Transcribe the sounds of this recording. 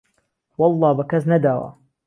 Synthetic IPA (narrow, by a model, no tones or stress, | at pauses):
wɑlˤːɑːbakaznad̪aːwa̰